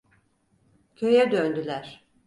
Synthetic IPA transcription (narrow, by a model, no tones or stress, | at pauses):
cʰøjɛd̪ønd̪ylʲæɾ̥